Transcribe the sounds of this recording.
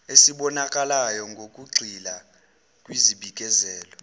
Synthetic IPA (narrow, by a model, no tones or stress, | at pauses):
esiɓɔnakʼalajɔŋɡʱokʼuɡ͡ǀʱila | kʼwiziɓikʼɛzɛːlɔ